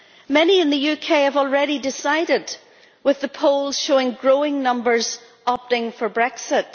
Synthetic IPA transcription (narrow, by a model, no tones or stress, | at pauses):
mɛniɨ̃nðɨjʉkʰeɪəvɔl̩ˠɹɛɾidɪsaɪɾɪd̚ | wɨðəpʰoʊlˠz̥ʃoɪ̃ŋɡɹoɪ̃ŋnʌ̃mbə˞z | ɑp̚tɪ̃ŋfə˞bɹɛksɪt̚